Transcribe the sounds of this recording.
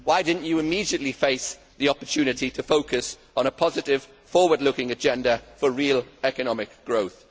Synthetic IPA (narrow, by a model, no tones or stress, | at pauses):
waɪdɪdⁿn̩t͡ʃəɪmiːdiəʔlifeɪs | ðiɒpətʰʉːnɪtʰitʰəfoʊkəs | n̩əpʰɒzɪtɪv̥ | fɔːwədˡlʊkɪ̃ŋəd͡ʒɛ̃ndəfəɹiːəlɛkənɒmɪkɡ̥ɹoʊθ